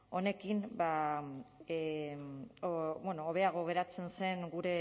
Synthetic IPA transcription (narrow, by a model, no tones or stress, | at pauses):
o̞ne̞kimba | obwenoːβe̞aɣ̞o̞ɣ̞e̞ɾat͡se̞nse̞ŋɡuɾe̞